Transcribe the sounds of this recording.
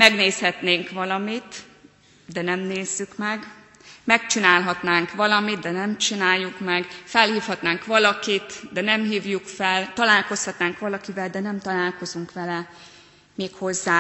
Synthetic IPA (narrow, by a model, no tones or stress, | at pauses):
mɛɡneːshɛt̪neːŋkʋɒlɒmit̪ | d̪ɛnɛmneːzːykmɛɡ | mɛkt͡ʃinaːlɦɒt̪naːŋkʋɒlɒmid̪̚d̪ɛnɛmt͡ʃinaːjːukmɛɡfɛlhiːfhɒt̪naːŋkʋɒlɒkit̪d̪ɛnɛmɦiːvjukfɛlt̪ɒlaːlko̞shɒt̪naːŋkʋɒlɒkivɛld̪ɛnɛmt̪ɒlaːlko̞zuŋkʋɛlɛ | meːkho̞zːaː